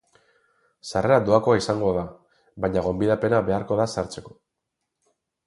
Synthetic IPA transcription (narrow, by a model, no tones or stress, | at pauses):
sare̞ɾad̪oako̞aisaŋɡo̞ða | βajɲaɣ̞o̞mbiðape̞naβe̞aɾko̞ðasaɾt͡se̞ko̞̥